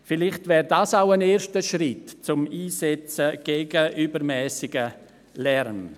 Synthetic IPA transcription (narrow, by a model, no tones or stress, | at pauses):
fɪlɪχtvɛːɾdaːsaʊəneːɾʃtəʃrɪtt͡sʊmiːsɛt͡səɡ̥eɡəʔybəɾmɛːsɪɡə | lɛɾn